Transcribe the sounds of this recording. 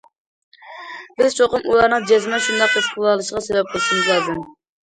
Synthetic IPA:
b̥ɪz̥t͡ʃʰoqəmulˠɑɾnɨŋd͡ʒɛzmɛʃund̪ɑq̚ʰːoʃqʰʊlˠɑlˠɨʃʁɑsevɛp̚qʰʊlˠʃumbɨlˠæd̪ɪm

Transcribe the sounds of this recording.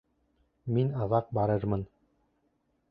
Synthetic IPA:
minɑðɑq̚bɑɾɤɾmɤn

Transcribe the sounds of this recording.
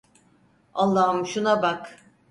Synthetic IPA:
alˠːaːɯmʃunabak

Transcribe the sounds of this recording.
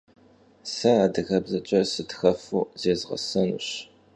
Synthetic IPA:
sɐaːdɨɣɐbzɐt͡ʃʼɐsɨtxɐfuːzeːzʁɐ̰sɐnṵɕ

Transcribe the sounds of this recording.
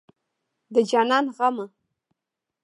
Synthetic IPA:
d̪əd͡ʒɑnɑnɣamə

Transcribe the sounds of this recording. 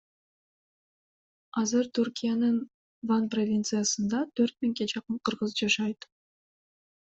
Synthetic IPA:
ɑzɨɾt̪ʰyɾkʲijanɯn | vanprovʲint̪sɨjasənd̪ɑt̪ʰɵɾt̪̚mɪŋɡʲe̞d͡ʒɑqəmqʰəɾʁəzd͡ʒɑʃɑjt̪

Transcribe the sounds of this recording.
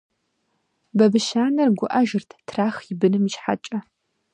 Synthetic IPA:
bɐbɨʃaːnɐrɡʷʊʔɐʒɨrtʰtʰraːxjɪbɨnɨmiʃħa̰t͡ʃʼɐ

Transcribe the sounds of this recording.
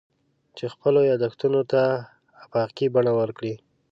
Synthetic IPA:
t͡ʃexpəlojɑd̪axt̪unot̪aː | pɑkibaɳawəɾkɽi

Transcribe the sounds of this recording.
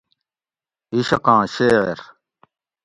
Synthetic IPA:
iɕɐqãːɕeːeɾ

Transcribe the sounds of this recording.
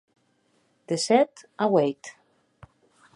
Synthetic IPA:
d̪̥esɛt̪awejt̪

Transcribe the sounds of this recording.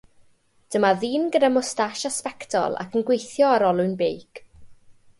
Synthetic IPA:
d̥əmaðiːnɡədamɔstaʃaspɛktʰɔ̰lˠa̰kʰənɡwejθjɔaɾɔlˠʊɨnbejk

